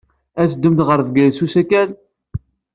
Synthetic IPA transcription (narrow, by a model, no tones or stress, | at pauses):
æt͡sd̪ːəmt̪ʁəɾvɡælsusækæl